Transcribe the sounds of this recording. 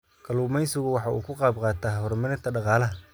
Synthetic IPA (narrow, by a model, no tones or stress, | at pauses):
kʰɐluːmɛjsɪɣʊwɑħɑʔṵːkʰʊqɑːb̚qɑːt̪ʰaːhɔɾmɪnɛt̪ʰɐɖɑqɑːlɐɦɐ